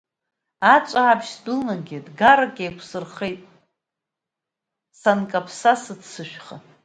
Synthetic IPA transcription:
at͡ʃʷʼaːpʰʃdunaɡʲɪdɡaɾakʲʼejkʷʰsɨrχe̞jtʼ | sankʼapʰsasɨdsɨʃᶣχa

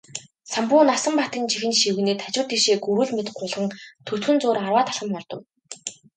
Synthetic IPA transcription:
sampʊːnasə̆mpat̪iːnt͡ɕixɘ̆nʃiwɣneːt̪ʰat͡ɕʊ̆rt̪iʃeːkɵɾɘ̆ɮmet̪ɢʊɮʁə̆ŋt̪ʰɵ̥t̪xɵ̆nt͡sʊːɾarwaːt̪ʰḁɮʁə̆mːɔrt̪ɞ̆w

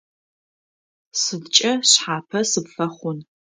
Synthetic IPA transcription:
sɨbt͡ʃʼɐɕħaːpʰɐsɨpfɐχʷʊn

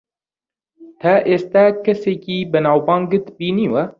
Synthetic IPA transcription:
t̪ʰɐʔeːst̪æːkʰɐseːkiːbɨnɑːwbɑːŋɡɨt̪biːniːwɛ

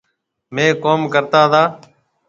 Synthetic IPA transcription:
mẽːkoːmkəɾt̪aːt̪ʰaː

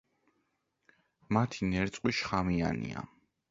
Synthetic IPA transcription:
mat̪ʰinɛɾt̪sʼqʼwiʃχamia̰nḭa̰

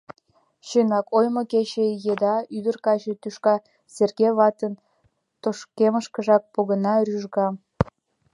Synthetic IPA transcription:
ɕønɑkojmoket͡ɕejed̪ɑyd̪ərkɑt͡ɕĕt̪yʃkɑ | serɣeβɑt̪ən | t̪oʃkeməʃkəʒɑk̚poɣənɑɾyʒɣɑ

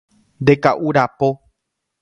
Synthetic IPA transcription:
nd̪e̞kaʔuɾapo

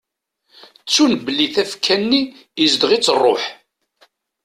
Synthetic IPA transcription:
t͡sːunbəlːiθæfkʰːænːi | əzd̪ʁit͡sːərˤːo̰ħ

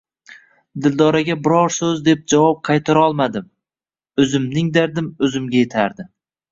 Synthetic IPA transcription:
d̪ɪld̪ɒɾaɡʲabɪɾɒɾsɵzd̪e̞p̚d͡ʒavɒp̚qʰɑjt̪ʰaɾɒlˠmad̪ɪm | ɵzɪmnɪŋd̪aɾd̪ɪmɵzɪmɡʲaje̞t̪ʰaɾd̪ɪ

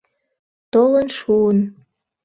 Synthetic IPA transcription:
t̪olə̆nʂuən

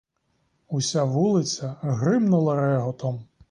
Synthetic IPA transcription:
usʲaʋulˠɪsʲɐɦɾɪmnʊlˠɐɾɛɦɔt̪ɔm

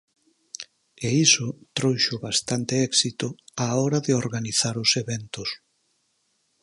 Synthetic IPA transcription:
eisʊt̪ɾowʃʊβast̪ant̪eɛksit̪ʊaɔɾaðeoɾɣaniθaɾʊseβɛnt̪ʊs

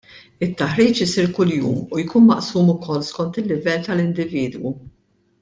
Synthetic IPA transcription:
ɪt̪ːɐħɾiːt͡ʃɪsiːɾkʊljṵːmujkuːnmɐʔsuːmʊkʰɔlːskɔnt̪ɪlːɪvɛlːt̪ɐlɪnd̪ɪviːd̪wu

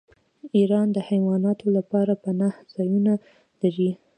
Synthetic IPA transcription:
iɾɑnd̪əhajwɑnɑt̪olapɑɾapənahz̥ɑjuna | laɾi

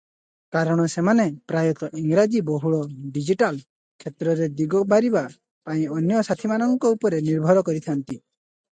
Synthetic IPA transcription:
kaɾɔɽ̃ɔsemanepɾajɔt̪ɔʔiŋɡɾad͡ʒibɔɦuɭɔɖid͡ʒiʈal | kʰet̪ɾɔɾed̪iɡɔbaɾiba | paĩɔnjɔsat̪ʰimanɔŋkɔupɔɾeniɾbʱɔɾɔkɔɾit̪ʰant̪i

